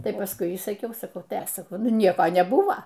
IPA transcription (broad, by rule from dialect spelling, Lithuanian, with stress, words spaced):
ˈtɐɪ pɐsˈkʊɪ iː sɐˈkʲɛʊ sɐˈkɐʊ ˈtɐɪ ˈɐʃ sɐˈkɐʊ ˈnʊ ˈnʲiɛkoː nʲɛˈbʊʋoː